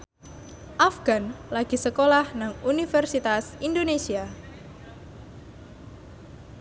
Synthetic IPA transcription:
ʔafɡ̥anlaɡ̥i̤səkolahnaŋunifɛrsit̪asindonesia

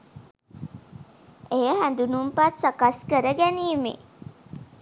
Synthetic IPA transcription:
ejəɦænd̪unumpat̪sakaskəɾəɡæniːmḛ

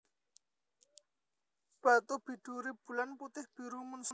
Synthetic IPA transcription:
b̥at̪ub̥i̤ɖ̥uɾib̥ṳlanput̪ɪhb̥iɾuməns

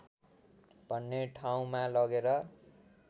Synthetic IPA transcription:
b̥ʱʌnːeʈʰaũmalʌɡeɾʌ

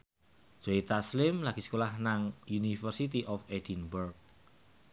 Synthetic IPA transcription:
d͡ʒ̥oit̪aslɪmlaɡ̥i̤skolahnaŋjunifərsit̪iʔɔfedinbɛrk̚

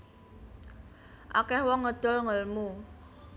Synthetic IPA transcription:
ʔa̰kɛhwɔŋːəd̪̥ɔ̤lŋəlmu

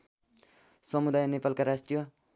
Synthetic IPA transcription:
sʌmud̪ajnepalkaɾasʈijʌ

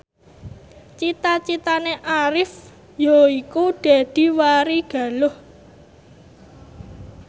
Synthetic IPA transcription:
t͡ʃit̪at͡ʃit̪aneʔaɾɪf | joikuɖ̥a̤d̪̥i̤waɾiɡ̥a̤lʊh

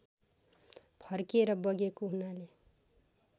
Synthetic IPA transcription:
pʰʌrkeɾʌbʌɡekoɦunale

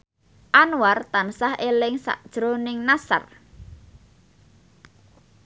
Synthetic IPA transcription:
ʔanwart̪ansahelɪŋsa̰ʔd̥ʒ̥ɾonɪŋnasa̰r

